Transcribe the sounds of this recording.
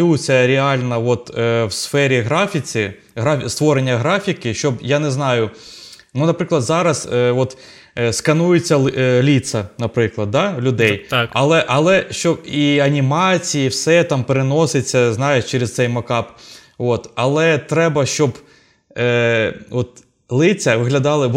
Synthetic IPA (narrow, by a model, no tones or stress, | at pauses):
ut͡sʲːɐɾʲɪɑlʲnɐʋɔt̪ːwsfɛɾʲiɦɾɑfʲit͡sʲɪ | ɦɾast̪ʋɔɾenʲːɐɦɾɑfʲikɪʃt͡ʃɔbjanɛznɑjʊ | nunɐpɾɪklˠɐd̪zɑɾɐzʋɔt̪ | skɐnujet͡sʲːɐlʲit̪sɐnɐpɾɪklˠɐd̪̚ːɑlʲʊd̪ɛj̪ɐlˠɛʔɐlˠɛʃt͡ʃɔbiɐnʲimɑt͡sʲijiwsɛt̪ɑmpeɾenɔset͡sʲːɐznɑjeʃt͡ʃɛɾest̪sɛjmɐkɑp | ʋɔt̪ɐlˠɛt̪ɾɛbɐʃt͡ʃɔb | ɔt̪̚ | lˠɪt͡sʲɐʋɪɦlʲɐd̪ɑlˠɪ